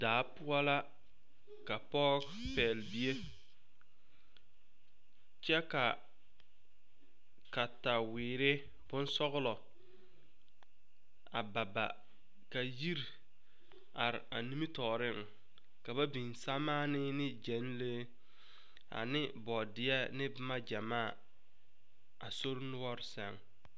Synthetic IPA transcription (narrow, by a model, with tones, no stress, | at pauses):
daː˨˦pʊ˦a˦la˦ | ka˨pɔ˦ | pɛ˨lbi˦e˦ | t͡ʃɛ˦ka˨ | ka˨ta˨wɪː˨ɾɪ˦ | b̥ʊ˦n˦sɔ˦ɣʊ˦lɔ˨ | a˨ba˨ba̰˨ | ka˨ji˦ɾ | a˨ɾɪ˨a˨ni˦mi˦tɔː˨ɾɪ˦˨ŋ˨ | ka˨ba˦bi˨n˨sa˦maː˦nɪ˦nɪ˦d͡ʒɛ˨˦n˦leː˦ | a̰˨nɪ˦bɔ˨dɪ˦ɛ˦nɪ˦bma˦d͡ʒa˨maː˦˨ | a˨so˦ɾnʊ˦ɔ˦ɾɪ˨sa˨ŋ